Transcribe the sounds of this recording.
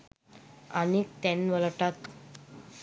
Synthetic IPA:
anit̪ɛnʋəlʈat̪

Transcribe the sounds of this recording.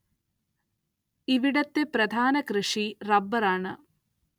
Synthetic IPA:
iʋiɽɐt̪ːepɾɐd̪ʱaːnɐkɾɨʂiɾɐbːɐɾaːɳɐ

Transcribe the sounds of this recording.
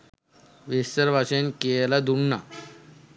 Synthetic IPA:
ʋist̪əɾbaɕənkelad̪uɳːa̰

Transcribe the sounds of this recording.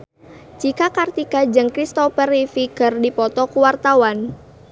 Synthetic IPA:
t͡ʃikakart̪ikad͡ʒəŋkɾist̪ɔfərifikərdipɔt̪ɔkuwart̪awan

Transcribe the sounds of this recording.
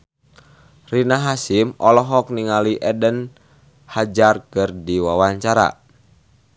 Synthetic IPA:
rinaɦasimɔlɔɦɔk̚niŋaliʔɛdən | had͡ʒarkɨrdiwawaɲt͡ʃaɾa̰

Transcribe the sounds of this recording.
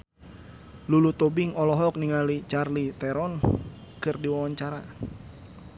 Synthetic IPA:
lulut̪ɔbɪŋɔlɔɦɔk̚niŋalit͡ʃarlit̪ɛɾɔn | kɨrdiwawaɲt͡ʃaɾa

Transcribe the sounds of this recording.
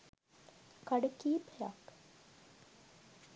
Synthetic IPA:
kaɖəkiːpeja̰k

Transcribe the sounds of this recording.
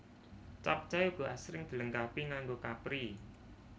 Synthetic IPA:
t͡ʃap̚t͡ʃajuɡ̥o̤asɾɪŋd̪̥i̤ləŋkapiŋaŋɡokapɾi

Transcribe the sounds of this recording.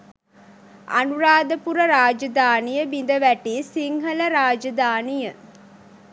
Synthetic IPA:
ɐ̰nuɾaːd̪əpuɾəɾaːd͡ʒɐd̪aːnijəbind̪əʋæʈiːsiŋɦələɾaːd͡ʒɐd̪aːnijə

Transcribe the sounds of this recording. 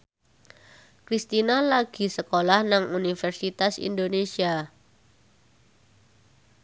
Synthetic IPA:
kɾist̪inalaɡ̥i̤səkolahnaŋunifɛrsit̪asḭndonesia

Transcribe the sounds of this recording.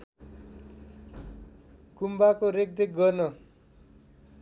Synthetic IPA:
kumbakoɾek̚d̪ek̚ɡʌrnʌ

